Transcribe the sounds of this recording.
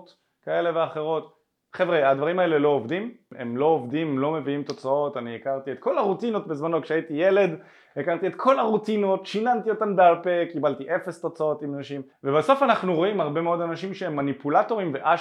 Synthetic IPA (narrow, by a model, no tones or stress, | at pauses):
t | kae̞le̞veaχe̞ʁo̞t | χevʁead̪vaʁimae̞lelo̞ːvdimḛmlo̞ovdimlo̞me̞viimt̪o̞t͡sao̞taniekaʁt̪iet̪ko̞laʁutino̞t̚bezmano̞kʃeaitijele̞d | ekaʁt̪ietkʰo̞laʁutino̞tʃinantio̞tanbealpekibaltiʔe̞fe̞st̪o̞t͡sao̞timanaʃim | ve̞baso̞fanaχnuʁo̞imhaʁbe̞meo̞d̪anaʃimʃeemːanipulato̞ʁimveʔa